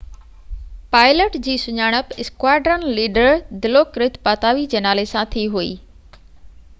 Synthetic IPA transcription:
paːɪləʈd͡ʑiːsʊɲaːɽ̃əpɪskwaːɖɾənliːɖəɾd̪ɪlokɾɪt̪paːt̪aːʋid͡ʑenaːlesãt̪ʰiɦuḭː

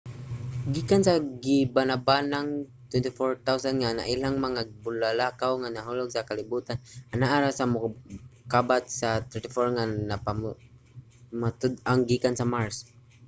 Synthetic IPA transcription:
ɡikansaɡibanabanaŋt̪wɛnt̪ifɔɹt̪awsand̪ŋana̰ʔilaŋmaŋabʊlalakawŋanaɦʊlɔɡ̚sakalibut̪anʔanaʔaɾasamʊkabat̪̚sat̪ɛɹt̪ifɔɹŋanapa | mat̪ʊd̪aŋɡikansamaɹs

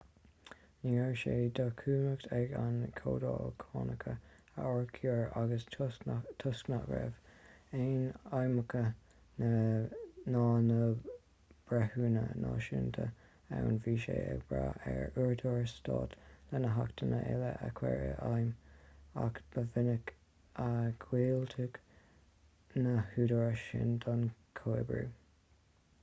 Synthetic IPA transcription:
niɛɹʃed̪əkʰuːnəktʰɛɡankʰoːdoːkʰɑːnəkʰə | əɔɹkʰjuɹaɡəs | t̪ʰʊsknaʔɡɹɛveːnajməkʰə | nə | nɑːnə | b̥ɹɛhuːnənʔɑːʃɪntʰə | awnviːʃeːəbɹaɛɹuɹdoɹəstɑːt̪lɛnəɦakt̪ʰənəʔɛləʔəkʰwɛɹəʔajmakb̥əvɪnək | əɡ̥wiːlt̪ʰəɡ | nəhuːdoɹəʃɪndɑnkʰoɪbɹu

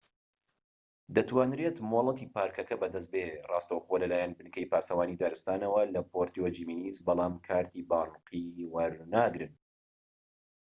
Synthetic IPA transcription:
d̪ɐt̪waːnɾet̪moːlˠɐt̪iːpaːɾkɐkɐbɐd̪ɐs̬t̪̚berʔɑːst̪ɐwxolɐlaːjɛnbɨnkɐjpaːsɐwaːnid̪aːɾɨst̪aːnɐwɐlɐpʰoɾt̪iod͡ʒiːmiːnizbɑlˠɑːmkʰaːɾt̪ʰiːbaːnqʰiwɐɾnaːɡɾɨn

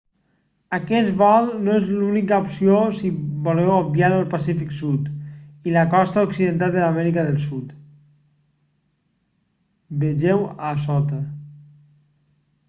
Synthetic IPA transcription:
akɛt̪βɔlˠnoezlunikaopsiosibolɛwabjaɾəlˠpasifiksut̪ilakɔst̪aoksiðent̪ald̪əlamɛɾikəðəlˠsut̪ | beʒɛwasɔt̪ə

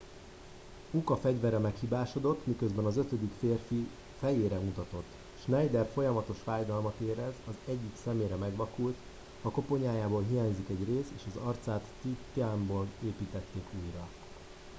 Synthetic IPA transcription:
ukɒfɛɟvɛɾːɛmɛkhiːbaːʃo̞d̪o̞t̪ːmikøzbɛnɒzøt̪ød̪ikfeːrfi | fɛjeːɾɛut̪ɒt̪o̞t̪ː | ʃnɛjd̪ɛrfo̞jɒmɒt̪o̞ʃfaːjd̪ɒlmɒt̪eːɾɛzɒzɛɟːiksɛmeːɾɛmɛɡʋɒkult̪ | hɒko̞po̞ɲaːjaːboːlɦijaːɲzikɛɟreːseːʃɒzɒrt̪saːt̪ːit̪ːiamboːleːpiːt̪ɛt̪ːeːkuːjrɒ

